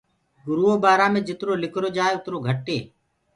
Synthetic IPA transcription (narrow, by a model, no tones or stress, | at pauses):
ɡʊɾuːoːbaːɾaːmẽːd͡ʒɪt̪ɾoːlɪkʰɾoːd͡ʒaːeːʊt̪ɾoːɡʱəʈːeː